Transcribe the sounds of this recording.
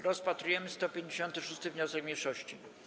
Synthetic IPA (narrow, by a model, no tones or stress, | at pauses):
ɾɔspat̪ɾujɛmɘst̪ɔpʲjeɲd͡ʑeɕɔnt̪ɘʂust̪ɘvɲɔsɛɡmʲjejʂɔɕt͡ɕi